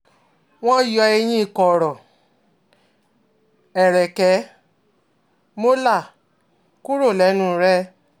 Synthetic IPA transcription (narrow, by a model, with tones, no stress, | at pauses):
w̃ɔ̃˦jɔ˧e˧j̃ĩ˦˨kɔ˨ɾɔ˨ | ɛ˨ɾɛ˨kɛ˨˦ | mo˦la˦˨ | ku˦ɾo˦˨lɛ˨˦nũ˦ɾɛ˦